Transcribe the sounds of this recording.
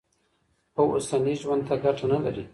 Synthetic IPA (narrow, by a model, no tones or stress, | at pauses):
awosaniʒwand̪̚t̪aɡaʈanalaɾi